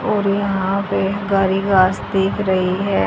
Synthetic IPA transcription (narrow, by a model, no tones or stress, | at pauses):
ɔːɾjɐɦãpeɡaːɾiːɡaːsd̪eːkʰɾɐɦiɦɛː